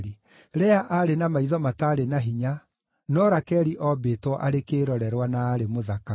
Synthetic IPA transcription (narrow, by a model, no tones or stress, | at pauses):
ɾi | ɾɛaʔaɾenamaiðɔmataɾenaɦiɲa | nɔɾakɛɾiʔɔbetwɔʔaɾekeːɾɔɾɛɾwanaːɾemoðaka